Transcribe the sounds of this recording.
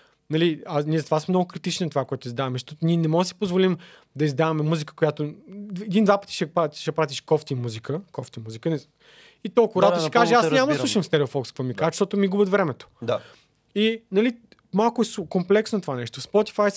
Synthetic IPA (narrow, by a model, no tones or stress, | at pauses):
nɐlianiɛzɐt̪ovasmɛmnɔɡʊkɾit̪it͡ʃninɐt̪ovakoɛt̪ʊizd̪avɐmɛʃt̪ɔt̪niɛnɛmɔɡd̪si̥pozvolim | d̪ɐizd̪avɐmɛmuzikə̥kojat̪oɛd̪ind̪vapə̥t̪i̥ʃɛpaʃɛpɾat̪ʲiʃkɔft̪imuzikəkɔft̪imuzikənɛ | it̪ɔlˠkʊɾaʃikaʒɛasɲamɐd̪ɐlˠuʃɐmst̪ɛɾɛofɔkskkvomikaʃt̪ɔt̪omiɡubət̪vɾɛmɛt̪o̥a | inɐli | malˠkʊɛskomplɛksnot̪ovanɛʃt̪ospɔt̪i̥faj